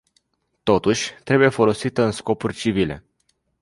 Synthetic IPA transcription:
t̪o̞t̪uʃʲt̪ɾe̞buje̞fo̞lo̞sit̪əɨnsko̞purʲt͡ʃivile̞̰

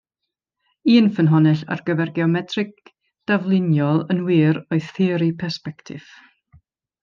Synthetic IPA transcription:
iːnfənɦɔnɛɬa̰rɡəvɛrɡɛɔmɛtʰrɪɡ̚ | d̥avlˠɪnjɔlˠənwiːɾɔɨθɪːɾipʰɛrspɛktʰɪ̰v̥

